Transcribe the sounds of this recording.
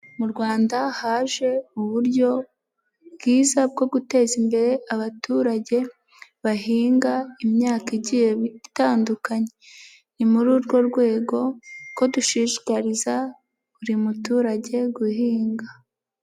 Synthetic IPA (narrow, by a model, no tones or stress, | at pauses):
muɾɡwaːndahaːʒe̞uβuɾɟo̞ | bɡ̥iːzab̚ɡo̞ɡute̞ːzimbe̞ɾe̞aβatuːɾaɟe̞ | βaɦiːŋɡaimɲaːkiɟije̞βitaːndukaɲe̞ | nimuɾuːɾɡo̞ɾɡwe̞ːɡo̞ko̞duʃiʃi̥kaɾiza | uɾimutuːɾaɟe̞ɡuhiːŋɡa